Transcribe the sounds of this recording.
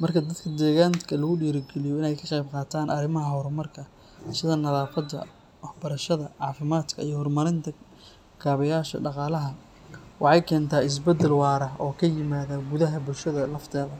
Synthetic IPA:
mɐrkʰɐd̪ɐd̪kʰɐd̪ɛːɣaːnkʰɐlɐɣʊɖiːɾɪɡɛlɪjɔɪnɛjkʰɑqɑjbqɑːt̪ʰaːnʔɐɾɪmɐɦɐɦɔɾɔmɐrkʰɐ | sɪðɐnɐðaːfɐd̪ɐ̰ | wɑħbɐɾɐʃɐðɐʕɑːfɪmaːt̪kʰɐijɞhɔrmɐɾɪnt̪ʰɐ | kʰaːβɐjaːʃɐ̰ɖɑqɑːlɐɦɐ | wɑħɑjkʰɛːnt̪ʰaːɪs̬bɛd̪ːɛlwɑːɾɐɦɔːkʰɐjɪmaːðaɡʊðɐɦɐbʊlʃɐðɐlɐft̪ʰɛːðɐ

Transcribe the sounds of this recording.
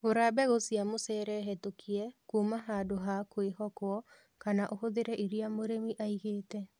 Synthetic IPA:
oɾabɛɣosjamosɛɾɛɦɛtokʰiɛkumaɦadoɦakwehɔkwɔ | kanaʔohoðeɾɛʔiɾiamoɾemiʔaiɣeːtɛ

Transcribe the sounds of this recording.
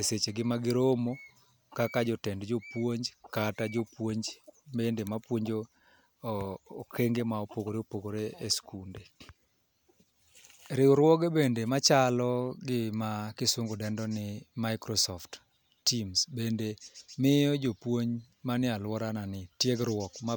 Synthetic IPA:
eset͡ʃeɡɪmaɡɪɾomo | kakad͡ʒɔtɛndd͡ʒopwoɲd͡ʒkatad͡ʒopwoɲd͡ʒbendemapwoɲd͡ʒo | keŋɡemaopoɡoɾeopoɡoɾeeskunde | ɾɪʊɾwɔɡebendemat͡ʃalɔɡɪmakɪsʊŋɡodɛndɔnɪmaɪkɾɔsɔftː | imsbendemɪjɔd͡ʒopwoɲ | manɪalwɔɾananɪtjeɡɾwɔkma

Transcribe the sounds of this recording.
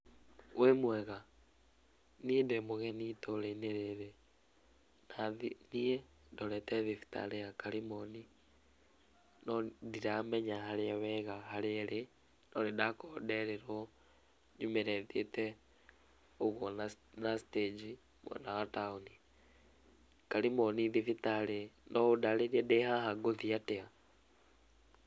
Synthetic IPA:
wʔemwɛɣa | niedemoɣɛnitoleineɾeɾe | naðinie | ndolɛtɛðifi̥ta̰lejakalimoni | nodiɾamɛɲahaleawɛɣahaleɾe | noɾidakodeɾeɾo | ɲumeɾeðiḛte | oɣwona | nasi̥ted͡ʒi | mwḛnawatauni | kalimoniðifitalenoudaleɾiedehahaɡoðiatea

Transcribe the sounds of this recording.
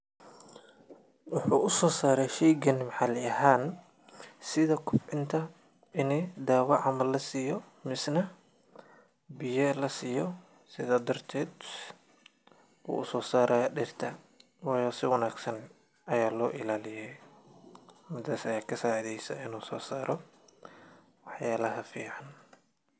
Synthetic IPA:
wʊħuːʔʊsɔːsaːɾɛjʃɛjɡɐnmʕɑlɪɐhaːn | sɪðɐkʰʊbʕɪnt̪ʰɐ | ɪnid̪aːwɐʕɑmɐlːɐsiːjɔ | mɪsnɐ | bɪjɛlɐsiːjɔ | sɪðaːd̪ɐrt̪ʰɛːd̪ | ṵːʊsɔːsaːɾʔɐːjɐɖɪrt̪ʰɐ | wɑːjɔːsɪwɐnaːɡsɐn | ʔɐjaːlɔːʔɪlaːlɪjɛj | mɪd̪aːsɐjaːkʰɐsaːʕiðɛjsɐ̰ɪnuːsɔːsaːɾʔɔ | wɑħjaːlɐɦɐfḭːʕɑn

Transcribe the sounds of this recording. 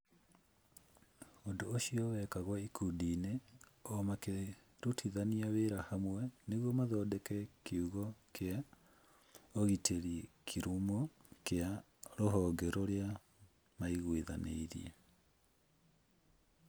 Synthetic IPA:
ondoːʃiɔwɛkaɣwɔikʰudiːneɔmake | ɾotʰiðaniaweɾahamwɛneɣwɔmaðɔːdɛkɛkeuɣɔkʰea | oɣitʰeɾikʰiɾumokea | ɾoɦɔːŋɡɛɾoɾea | maiɣweða̰nḛiɾḭɛ

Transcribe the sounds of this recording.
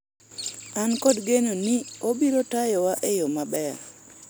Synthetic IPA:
ankɔdɡenonɪobiɾotajɔwaʔejomabɛɾ

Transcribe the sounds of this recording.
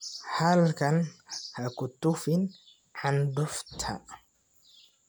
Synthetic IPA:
halkanhakʊt̪ːufɪn | ʕandʊft̪ʰa̰

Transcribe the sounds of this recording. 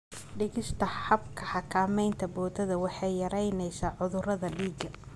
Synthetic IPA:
ɖɪɣɪst̪ʰɐħɐbkʰɐħɑkʰaːmɛjnt̪ʰɐbɔːd̪ɐðɐwɑħɑjjɐɾɛjnɛjsaːʕʊðʊɾɐðɐɖiːɡɐ

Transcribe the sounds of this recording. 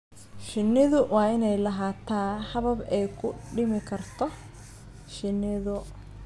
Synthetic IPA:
ʃɪnːɪðʊwɑːɪnɛjlɐɦaːt̪ʰaːħɐβɐbɛjkʰʊ̰ɖɪmɪkʰɐrt̪ʰɔ | ʃɪnɪðʊ

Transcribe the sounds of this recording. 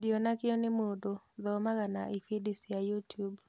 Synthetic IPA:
dionakɪɔnɪmodoðɔmaɣanaʔifidisijajutub

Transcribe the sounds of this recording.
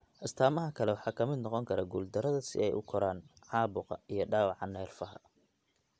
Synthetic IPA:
ʔɐst̪ʰaːmɐɦɐkʰɐlɛwɑħɑːkʰɐmɪd̪nɔqɔŋkʰɐɾaɡuːld̪ɐɾɐðɐsɪ̰ɛjʔʊ̰kʰɔɾaːnʕɑːbʊqɑ̰ijɞɖɑːwɑʕɑnɛːrfɐɦɐ̰

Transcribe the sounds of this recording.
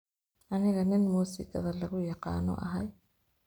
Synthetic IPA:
ʔɐnɪɣɐnɪnmuːsɪkʰɐ̰ðɐlɐɣʊjɑqɑ̰ːnɔ̰ʔɐ̰ɦɐj

